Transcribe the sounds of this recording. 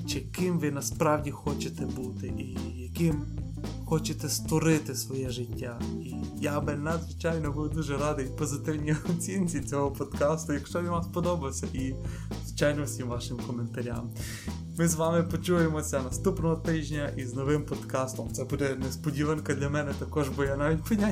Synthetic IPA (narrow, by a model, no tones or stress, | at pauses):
t͡ʃɪkɪmʋɪnɐspɾɑwdʲixɔt͡ʃet̪ɛbut̪ɪʔijɐkɪm | xɔt͡ʃet̪ɛst̪ɔɾɪt̪ɪsʋɔjɛʒɪtʲːaijabɪnɐd̪zʋɪt͡ʃɑjnɔbuʋd̪uʒɛɾɑd̪ɪipɔzɪt̪ɪwnʲiɔt͡sʲinʲt͡sʲit͡sʲɔɦɔpɔd̪kɑst̪ʊjɐkʃt͡ʃɔʋʲiʋaspɔd̪ɔbɐwsʲɐʔi | zʋɪt͡ʃajnɔɔsʲimʋɑʃɪmkɔment̪ɐɾʲa̰m | mɪzʋɑmɪpɔt͡ʃujemɔsʲɐnɐst̪upnɔɦɔt̪ɪʒʲnʲɐʔiznɔʋɪmpɔd̪kɑst̪ɔmt̪sɛbud̪ɛnɛspɔdʲiʋɛnkɐd̪lʲɐmɛnɛt̪ɐkɔʒbʊjanaʋʲit̚ʲpɐnʲa